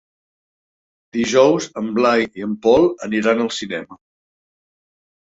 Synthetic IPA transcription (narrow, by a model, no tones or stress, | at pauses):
d̪̥iʒɔwzəmblajiəmpɔlˠəniɾanəlˠsinɛmə